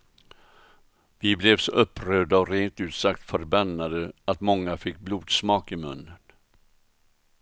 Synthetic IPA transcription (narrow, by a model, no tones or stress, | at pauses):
vɪblɛvsɔʔɵpːɾøːd̪aɔɾeːnt̪ʉ̟ːt̪sak̚t̪fœɾbanːad̪əat̪mɔŋːafɪk̚ːbluːd̪smɑːkɪmɵnːən